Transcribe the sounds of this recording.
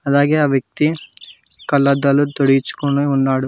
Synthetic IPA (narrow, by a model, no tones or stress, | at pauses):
ɐd̪aːɡeːaːʋjɐk̚t̪i | kɐlːɐd̪ɐlːut̪oɽijit͡ʃːu̥koɳeunːaːɽu